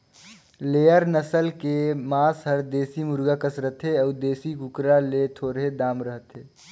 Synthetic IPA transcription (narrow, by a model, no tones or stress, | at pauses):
leːəɾnəsəlkemaːsɦəɾd̪eːsimʊɾɡakəsɾəɦt̪eəʊd̪eːsikʊkɾalet̪ʰoːɾɦed̪aːmɾəɦət̪ɦeː